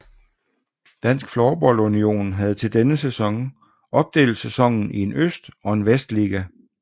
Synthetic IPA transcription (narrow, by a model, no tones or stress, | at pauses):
d̥æn̰sɡ̥flɒːb̥ɒ̽l̰unio̝̰ːnɦæð̞̩ˠt͡sʰe̝ld̥enəsesɒ̽ŋ | ɒ̽b̥̚d̥e̝̰ːl̩̥sesɒ̽ŋ̰n̩ʔie̝nøsd̥ɒ̽e̝nʋesd̥liːɡ̥æ